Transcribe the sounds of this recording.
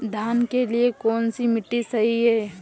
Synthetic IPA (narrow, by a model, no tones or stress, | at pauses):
d̪ʱaːnkeliekɔːnsimɪʈːisɐɦiɦɛː